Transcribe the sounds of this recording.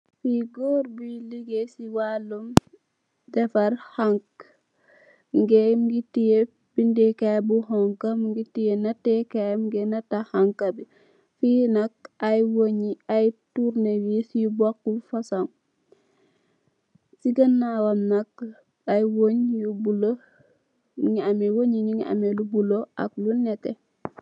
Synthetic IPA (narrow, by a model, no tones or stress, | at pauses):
fiɡoɾbuliɡesiwalum | dɛfɐɾhaŋk | ŋɡemɡitije | bindekajbuɦɔŋkɐmŋɡitijenɐtekamɡenɐtahaŋkɐbi | finɐk̚ajwoɲiajtuɾnewisjubakːufasaŋ | siɡɐnːawamnak̚ | ajwoɲjubulo | ŋiamewoɲiɲiŋia̰melubuloʔa̰klunetḛ